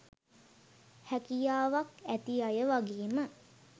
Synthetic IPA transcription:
hækijaːʋakæt̪iajəʋaɡeːmə

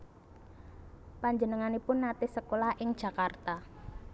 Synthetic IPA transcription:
paɲd͡ʒənəŋanipʊnːat̪ɪhsəkolahʔɪŋd̥ʒ̥ä̤kart̪a

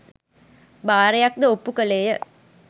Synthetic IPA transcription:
baːɾejak̚d̪əopːukəleːjə

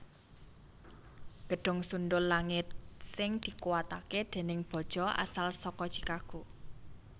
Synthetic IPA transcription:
ɡ̥əɖ̥ɔ̤ŋsund̪ʊlːaŋɪt̪̚sɪŋd̪̥i̤kuwat̪aked̪̥e̤nɪŋb̥ɔ̤d̥ʒ̥ɔ̤ʔa̰salsɔkɔd̥ʒ̥i̥kaɡ̥u

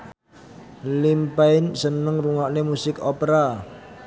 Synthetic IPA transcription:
limpaɪnsənəŋruŋɔʔnemusɪkɔpeɾa

